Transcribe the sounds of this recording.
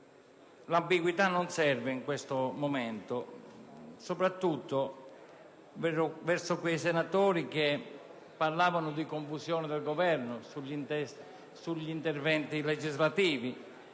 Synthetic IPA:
lambiɡwit̪anːonsɛrveiŋkwest̪omomɛnt̪o | sopɾat̪ːut̪ːo | vɛvɛrsʊkwejsenat̪oːɾik̟e | pːarlaːvanʊd̪ikoɱfusjɔːnɪd̪elɡovɛrnʊsuʎin | suʎːint̪ervɛnt̪iled͡ʒizlat̪iːvi

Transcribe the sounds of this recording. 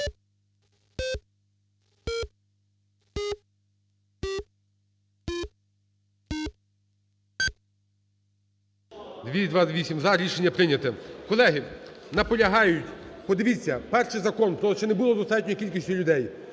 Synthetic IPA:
d̪ʋʲid̪ʋɑʋʲisʲimzɑɾʲiʃenʲːɐpɾɪnʲɐt̪ɛkɔlˠɛɦɪnɐpɔlʲɐɦɑjʊtʲpɔd̪ɪʋʲit͡sʲːɐpɛrʃizɐkɔnp̪ɔlˠt͡ʃɛnebʊlˠɔd̪ɔst̪ɑt̚ʲnʲɔkʲilʲkʲisʲtʲʊlʲʊd̪ɛj

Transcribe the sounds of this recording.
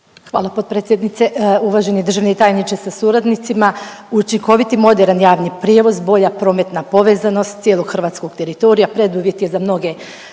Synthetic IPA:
xʋa̰ːlˠapo̞t̪̚pɾet̪sʲje̞d̪nit̪se̞uʋaːʒened̪ɾr̩ʒaʋneit̪aːjnit͡ʃesasuɾad̪nit̪sima | ut͡ʃiŋko̞ʋit̪imo̞d̪eɾanjaːʋnipɾjeʋo̞zbo̞ʎapɾo̞ːme̞t̪napo̞ʋe̞zano̞st̪sijeːlˠo̞ɡxr̩ʋat̪sko̞ɡ̚t̪e̞ɾit̪o̞ɾijapɾe̞d̪uːʋje̞t̪je̞zamno̞ɡe̞

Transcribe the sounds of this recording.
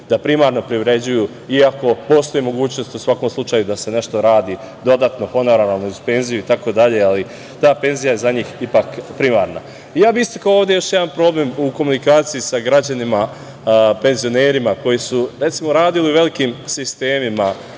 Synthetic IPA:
d̪apɾimaːɾno̞pɾiʋɾe̞d͡ʑuju | iako̞po̞ːst̪o̞jimo̞ɡuːt͡ɕno̞st̪usʋako̞mslˠut͡ʃajud̪ase̞ne̞ʃt̪o̞ɾaːd̪i | d̪o̞d̪aːt̪no̞fo̞noɾanalˠnuuzpe̞nzijuit̪ako̞d̪aʎe̞ali | t̪aːpe̞nzijaje̞zaɲiːxipakpɾimaːɾna | ijaːbiist̪ḁkaooːʋd̪e̞jo̞ʃjed̪anpɾo̞ːblemuko̞munikaːt̪sijisaɡɾad͡ʑanima | pe̞nzijo̞neːɾimako̞jisuɾe̞t̪simo̞ɾaːd̪iliuʋe̞likiːmsist̪e̞ːmima

